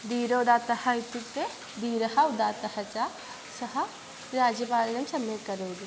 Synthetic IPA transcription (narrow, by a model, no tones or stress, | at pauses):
d̪iːɾoːd̪aːt̪ɐhɐjt̪ik̚t̪e | d̪iːɾɐhɐd̪aːt̪ɐhɐt͡ʃaː | sɐɦɐ | ɾaːd͡ʒɐpaːlnɐmsɐmekɐɾoːɡ̪i